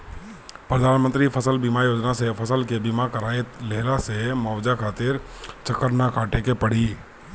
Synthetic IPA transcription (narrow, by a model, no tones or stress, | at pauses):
pɾəd̪ʱaːnmə̃nt̪ɾipʰəsəlbimajoːd͡ʒnasepʰəsəlkebɪmakəɾaːet̪leːlasemɔːʋd͡ʒakʰaːt̪ɪɾt͡ʃəkəɾnakʰãːʈekepəɽ̤iː